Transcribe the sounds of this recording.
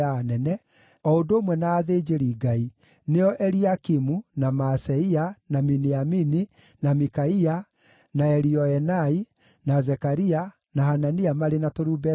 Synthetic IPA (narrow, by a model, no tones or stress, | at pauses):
anɛnɛ | ɔondoːmwɛnaːðed͡ʒeɾiɡai | neɔʔɛɾiakimunamasɛianaminiamini | namikaia | naɛɾiɔɛnai | nazɛkaɾia | nahananiamaɾenatoɾubɛ